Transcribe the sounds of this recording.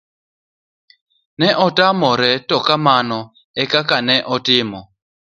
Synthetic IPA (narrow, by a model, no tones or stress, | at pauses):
nɛʔɔtamɔɾɛtɔkamanɔ | ɛkakanɛʔɔtɪmɔ